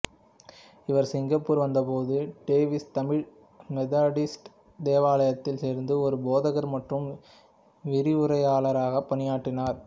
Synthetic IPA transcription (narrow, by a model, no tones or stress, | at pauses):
ɪʋɐɾsɪŋɡɐpːuːɾʋɐnd̪ɐpoːðɯɖeːʋɪst̪ɐmɪɻ | mɛðaːɽɪsʈ | d̪eːʋaːlɐjɐt̪ːɪlseːɾnd̪ɯɔɾɯboːðɐɣɐɾmɐʈrɯm | ʋɪɾɪʊɾɐɪaːɭɐɾaːɣɐpːɐnɪjaːʈːɪnaːɾ